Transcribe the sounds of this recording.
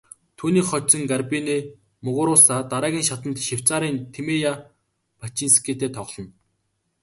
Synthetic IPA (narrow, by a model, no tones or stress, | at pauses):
t̪ʰuːniːχɔt͡ɕsə̆ŋɡarpineː | mɵɣʊːɾʊːsaːt̪aɾaːɣʲiːŋʃat̪ə̆nt̪ʃew̥ʲt͡saːɾiːnt̪ʰemeja | pat͡ɕiːnse̥keːt̪eːt̪ʰɔʁɮɞ̆n